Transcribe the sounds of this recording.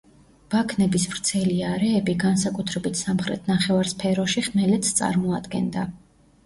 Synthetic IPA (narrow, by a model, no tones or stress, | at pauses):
b̥akʰnɛbisvɾt̪sʰɛliaɾɛːbiɡansakʼut̪ʰɾɛbit̪ʰsamχɾɛ̰t̪̚ʰnaχɛvaɾspʰɛɾɔʃiχmɛlɛt̪sʰt̪sʼa̰ɾmɔad̪ɡɛ̰nd̪a